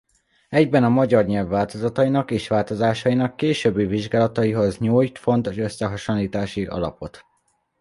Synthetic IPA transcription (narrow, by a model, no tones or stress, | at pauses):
ɛɟbɛnɒmɒɟɒrɲɛlvːaːlt̪o̞zɒt̪ɒjinɒkeːʃʋaːlt̪o̞zaːʃɒjinɒkːeːʃøːbːiviʒɡaːlɒt̪ɒiɦo̞zɲuːjt̪fo̞nt̪oʃø̞sːɛɦɒʃonliːt̪aːʃiʔɒ̰lɒ̰po̞t̪